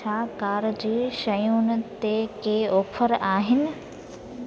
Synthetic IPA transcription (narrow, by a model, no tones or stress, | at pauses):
akaːɾd͡ʑiːʃɐjũnɪ̆t̪ekeoːpʰəɾaːɦɪnɪ̆